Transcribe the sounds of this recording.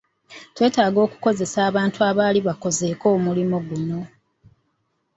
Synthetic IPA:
twe̞ːtaːɡo̞ːku̥ko̞ze̞saːβaːntuaːβaːliβako̞ze̞ːko̞ːmulimo̞ɡuno̞

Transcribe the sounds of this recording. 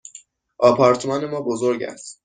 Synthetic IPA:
ʔɒːpʰɒɾt̪ʰmɒːne̞mɒːbozoɾɟæ̰st̪

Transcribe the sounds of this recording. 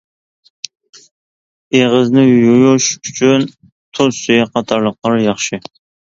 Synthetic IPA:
eʁəznɪjujuʃyt͡ʃʰyn | t̪ʰozsyjɛqʰɑt̪ʰɑɾlˠəqlˠɑɾjɑχʃɪ

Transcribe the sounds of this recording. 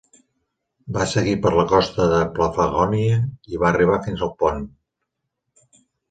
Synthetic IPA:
basəɣipəɾləkɔst̪əðəpləfəɣɔniəiβaːriβ̞afinzəlˠpɔn

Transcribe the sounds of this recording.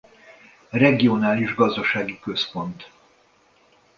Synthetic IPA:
rɛɡio̞naːliʒɡɒzd̪ɒʃaːɡikø̞spo̞nt̪

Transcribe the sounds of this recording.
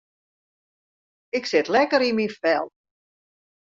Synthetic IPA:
ɪksɪtlɛkəɾiminfɛlˠ

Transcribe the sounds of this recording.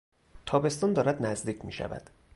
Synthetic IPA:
t̪ʰɒːbe̞st̪ɒːnd̪ɒːɾæd̪næzd̪iːcʰmḭːʃæ̰væ̰d̪̥

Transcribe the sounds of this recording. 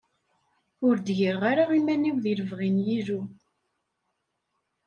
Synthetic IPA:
ʊɾd̪ʝəɾʁaɾaʁimæniwðiləvʁinjiðu

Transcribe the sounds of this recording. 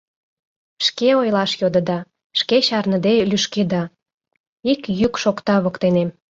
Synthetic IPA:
ʃkeojlɑʃjod̪ə̆d̪ɑ | ʃkeɕɑrnə̆d̪elyʃked̪ɑ | ikjykʃokt̪ɑβokt̪enem

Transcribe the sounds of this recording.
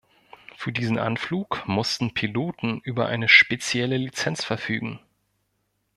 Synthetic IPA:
fyːɐdiːzn̩ʔa̰nfluːkmʊstn̩pʰiloːtn̩ʔyːbɐʔa̰ɪnəʃpet͡sjɛləlit͡sɛnt͡sfɛɐfyːɡŋ̩

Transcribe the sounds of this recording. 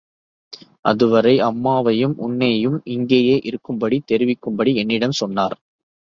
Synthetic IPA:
ʔɐ̰ðɯʋɐɾɐɪʔɐmːaːʋɐjɯmʔʊɳːeːjɯmɪŋɡeːjeːʔɪɾɯkːɯmbɐɽit̪ːɛɾɪʋɪkːɯmbɐɽiɛnːɪɽɐmsɔnːaːɾ

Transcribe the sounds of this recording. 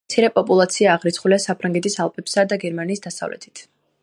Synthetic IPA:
t̪sʰiɾɛpʼɔpʼulˠat̪sʰiaːʁɾit̪sʰχuliasapʰɾaŋɡɛt̪ʰʼisalˠpʰʼɛpsad̪aɡɛɾmaniːsd̪̥asa̰vlɛ̰t̪ʰi̥t̪ʰ

